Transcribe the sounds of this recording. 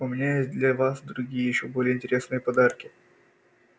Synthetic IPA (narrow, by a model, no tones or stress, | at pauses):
ʊmʲɪnʲajes̚ʲd̪lʲɐvasd̪ɾʊɡʲijəjɪɕːobolʲɪjəɪnʲtʲɪɾʲe̞snɨjəpɐd̪arkʲɪ